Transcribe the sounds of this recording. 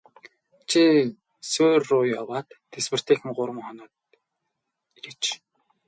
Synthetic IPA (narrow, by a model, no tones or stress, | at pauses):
t͡ɕʰi | sʊrːʊjɔwaːt̪ːʰespɘ̆r̥t̪ʰeːxɘ̆mɢʊɾm̆ŋχɔnɔːt̪ | iɾĕt͡ɕ